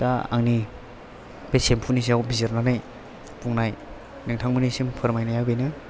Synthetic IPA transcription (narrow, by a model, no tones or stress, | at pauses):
taa̰ŋni | b̥esempʰunis̬iawbizeɾnanaj | puŋnaj | naŋtʰaŋmɯnisimpʰɯɾmajnajawbejnɯ